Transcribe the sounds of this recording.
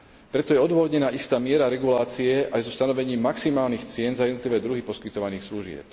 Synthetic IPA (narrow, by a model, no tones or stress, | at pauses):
pɾɛt̪ɔjɛɔd̪ʊɔɦɔd̪ɲɛnaːʔist̪aːmɪɛɾaɾɛɡulaːt͡siɛʔajzɔst̪anɔʋɛɲiːmːaksimaːlniːxt͡sɪɛnzajɛd̪nɔt̪liʋɛːd̪ɾuɦipɔskit̪ɔʋaniːxsluʒɪɛ̰p̚